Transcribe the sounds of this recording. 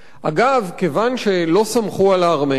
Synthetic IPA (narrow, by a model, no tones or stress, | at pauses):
a̰ɡavkevanʃe̞lo̞samχualaːʁme